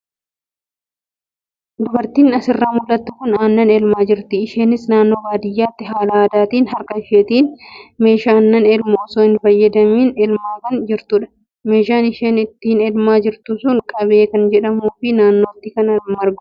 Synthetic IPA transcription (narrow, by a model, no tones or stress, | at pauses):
d̪ʊbɐɾt̪iːnɐsɪrːaːmʊlːɐt̪ːʊkʊnaːnːɐneːlmaːd͡ʒɪɾt̪ɪːʃeːnɪsnaːnːo̞ːbaːd̪ɪjːaːt̪ːɪɦaːlaːɐd̪aːt̪iːnhɐɾkɐɪʃeːt̪iːnme̞ːʃaːnːɐnelmoːsoːɪnfɐjːɐd̪ɐmiːnɛlmaːkɐnd͡ʒɪɾt̪ʊːᶑɐ̥ | me̞ːʃaːnɪʃeːnɪt̪ːiːnelmaːd͡ʒɪɾt̪ʊsʊŋkʼɐβe̞ːkɐnd͡ʒɛᶑɐmuːfɪnaːnːoːt̪ːɪkɐnɐmɐɾɡʊ